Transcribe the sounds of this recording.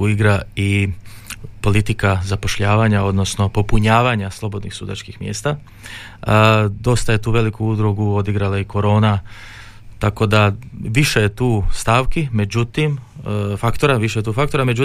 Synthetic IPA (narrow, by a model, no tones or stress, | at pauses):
uiɡɾai | po̞lit̪ikazapo̞ʃʎaːʋaɲao̞d̪no̞sno̞po̞puɲaːʋaɲaslˠo̞bo̞d̪nixsud̪a̰t͡ʃkixmjeːst̪a | d̪o̞st̪aje̞t̪uːʋe̞likuud̪ɾuɡuo̞d̪iɡɾalaiko̞ɾo̞ːna | t̪ako̞d̪aʋiʃejet̪uːst̪aːʋkime̞d͡ʑut̪imfakt̪o̞ɾaʋiʃeet̪uːfak̚t̪oɾame̞d͡ʑu